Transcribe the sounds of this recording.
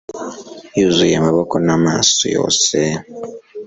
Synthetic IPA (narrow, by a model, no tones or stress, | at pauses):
juzujamaβokonama̰so̰jo̰ːse